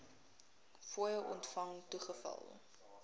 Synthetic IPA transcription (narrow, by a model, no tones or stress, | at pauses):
fuəjəwʔɔntfɐŋtuχəfɐ̰lˠ